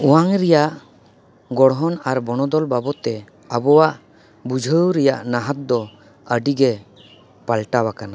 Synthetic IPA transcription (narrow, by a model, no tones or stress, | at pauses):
ɔwaŋɾɛjaʔ | ɡɔɽɦɔnaɾbɔɽ̃ɔd̪ɔlbabɔt̪ɛ | abɔwaʔ | bud͡ʒʱəwɾɛjaʔnaɦat̪̚d̪ɔ | əɖiɡɛ | palʈawakana